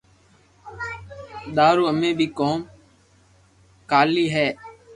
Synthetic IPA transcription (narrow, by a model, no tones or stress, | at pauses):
ɗ̪aːɾuːəmẽːbʱiːkoːm | kaːliːɦɛː